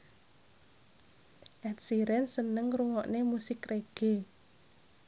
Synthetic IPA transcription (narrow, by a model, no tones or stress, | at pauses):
ʔɛt̪̚siɾɛnsənəŋruŋɔʔnemusɪkreɡ̥e